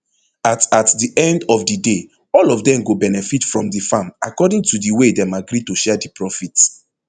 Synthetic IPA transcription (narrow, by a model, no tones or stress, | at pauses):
atatdiʔɛ̃ndɔfdide | ɔlɔfdɛ̃mɡobɛnɛfitfɹɔ̃mdifama̰kɔdĩŋtudiwedɛ̃maɡɾituʃɛdipɹɔfit